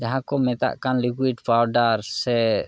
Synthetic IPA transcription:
d͡ʒaɦãkɔmɛt̪a̰ʔkanlikwiɖpʰawɖaɾsɛ

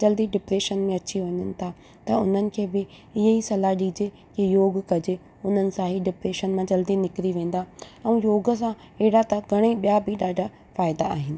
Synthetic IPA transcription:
d͡ʑɐld̪iɖɪpɾeːʃənmẽɐt͡ɕiʋɐɲənɪ̆t̪ʰa | t̪ɐʊn̤ənɪ̆kʰeːbɪ | ɪɦeisɐlaɗiːd͡ʑe | kijoːɡkɐd͡ʑɪ | ʊn̤ənɪ̆sãɦiɖɪpɾeːʃənmãd͡ʑɐld̪inɪkɾiʋẽːn̆d̪aɛ̃joːɡə̆s̬ã | ɪɦɪɽat̪ɐɡʱɐɽ̃eɓijabɪɗaːɖʱa | faːɪd̪aa̰ːɦɪnɪ

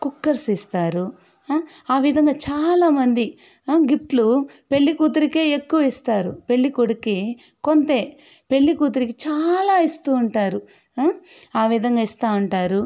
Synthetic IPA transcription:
kukːɐɾsist̪aːɾu | aːʋid̪ʱɐŋɡaːt͡ʃaːlaːmɐnd̪i | ɡip̚ʈlupe̞ɭːikuːt̪̬uɾikeːekːuʋɐist̪aːɾupe̞ɭːikoɽuki | kont̪e̞ː | pe̞ɭːikuːt̪̬uɾikit͡ʃaːlaːist̪uːɳʈaːɾu | aːʋid̪ʱɐŋɡaːist̪aːuɳʈaːɾu

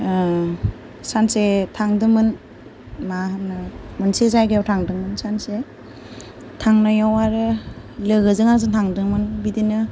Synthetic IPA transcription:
sansetʰaŋdɯŋmɯn | maɦanɯmɯnsezajɡejawtʰaŋdɯŋmɯnsanse | tʰaŋnajawaɾɯlɯɡɯzɯŋaŋzɯntʰaŋdɯŋmɯnbidinɯ

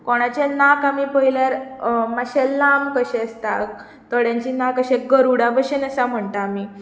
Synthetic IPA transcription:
kɔɽ̃at͡ɕanakamipəilaɾmaɕɛlːamkəɕɛ̃əst̪a | t̪əɽjãɲt͡ɕiːnakəɕẽɡəɾuɽabəɕenəsam̤əɳt̪aːmiː

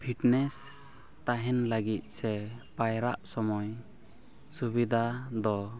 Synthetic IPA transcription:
pʰiʈnɛs | t̪aɦɛnləɡit̪̚ˀsɛpajɾaʔsɔmɔj | subid̪ʱad̪ɔ

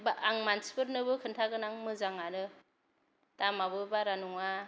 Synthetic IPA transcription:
baaŋmansbɯɾnɯbɯkʰɯntʰaɡɯnaŋmɯzaŋanɯ | tamaβɯbaɾanuŋa

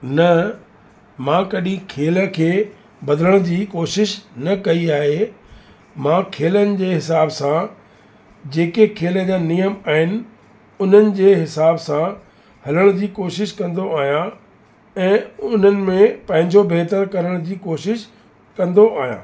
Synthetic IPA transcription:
nɐ | mãːkɐɗĩkʰeːlə̆kʰeː | bɐd̪ələɽ̃ʊd͡ʑiːkoːʃɪʃnɐkɐiaːɦe | mãːkʰeːlənɪ̆d͡ʑeːɦɪsaːbsã | d͡ʑeːkekʰeːləd͡ʑaːnijəmaːɦɪnɪ̆ | ʊn̤ənɪ̆d͡ʑeːɦɪsaːbsã | hɐləɽ̃d͡ʑiːkoːʃɪʃkɐ̃nd̪oaːɦijã | ɛ̃ːʊn̤ənɪ̆mẽpɐ̃ɦɪ̃ɲd͡ʑobeːt̪əɾkɐɾəɽ̃d͡ʑiːkoːʃɪʃ | kɐ̃nd̪oʔaːɦijã̰ː

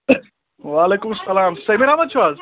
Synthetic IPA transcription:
ʋaːleːkumsɐlaːmsɐjmiɾaːmɐt̪t͡ʃʰʋaːz

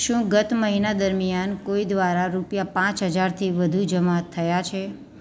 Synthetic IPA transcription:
ʃũɡət̪məɦinad̪əɾmijankoid̪ʋaɾaɾupjapãt͡ʃɦəd͡ʒaɾt̪ʰiʋəd̪ʱud͡ʒəmat̪ʰːəjat͡ʃʰe

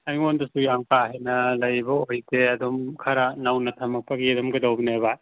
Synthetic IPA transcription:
ajŋondɐsujamkaɦejnɐlɐjbɐojteɐdomkʰaɾanawnɐtʰamɐk̚pʰaɡiedɔmɡɐdawbinaeβa

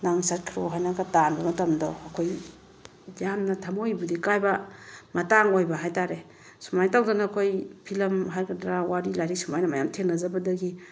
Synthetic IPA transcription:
naŋsat̚kʰɾoɦajnaɡatanbɐmɐtɐmdɔːkʰoj | jamnɐtʰamojbudikajbamataŋojbaɦajtaɾe | sumajtawzanaːkʰojpʰilɐmɦaɾkʰadɾawaɾilaɾik̚sumajnɐmajamtʰeŋnɐzabɐdɐɡi

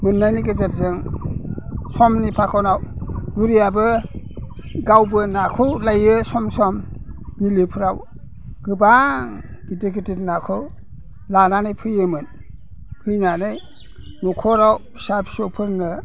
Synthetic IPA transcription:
mɯnːanikɯzat̚zɯŋ | sɔmnipʰakʰɔwnawbuɾijabɯ | ɡawbɯnakʰɯwlajɯsɔmsɔmbilipʰɯɾaw | ɡ̥ɯbaŋɡitek̬itit̚nakʰɯw | lananɯjpʰɯjɯmɯn | pʰɯjnanɯj | nukʰɔɾaw | sapsɔpʰɯɾnɯ

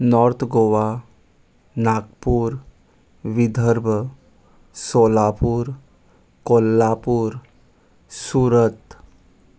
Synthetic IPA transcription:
nɔɾt̪ʰɡoːʋa | naːkpuːɾ | ʋid̪ʱəɾbʱə | soːlaːpuɾ | kolːaːpuːɾ | suːɾət̪

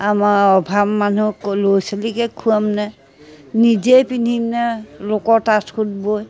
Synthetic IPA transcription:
amaɔbʱabmanuklojsalikɛkʰuamnɛ | nid͡ʒejpinimnɛlokɔɹtaskʰudboj

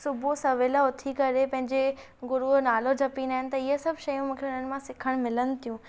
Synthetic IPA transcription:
sʊbʱusɐʋeːləʊt̪ʰikɐɾepɐ̃ɦɪ̃ɲd͡ʑe | ɡʊɾuɦnaːlod͡ʑʱɐpiːnaːɪnɪ̆t̪ɐɪɦəsɐbʱʃɐjũmũːkʰeʊn̤ənɪ̆mãsɪkʰəɽ̃mɪlənɪ̆t̪ʰijũ

